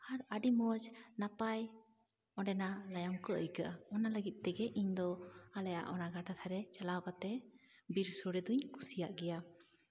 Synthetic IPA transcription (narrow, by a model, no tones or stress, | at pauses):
aɾaɖimɔd͡ʒnapaj | ɔɖɛnalajamkɔʔəjkaʔaɔnaləɡit̪̚ˀt̪ɛɡɛʔiɲd̪ɔalɛja̰ʔɔnaɡaʈat̪ʰaɾɛt͡ʃalawkat̪ɛ | biɾsɔɽɛd̪uɲkʰusijaʔɡɛja